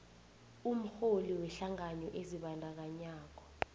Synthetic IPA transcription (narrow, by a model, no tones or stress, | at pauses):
um̩xoliwɛɬaŋaɲɔʔeziɓandʱak̬aɲaːk̬ɔ̥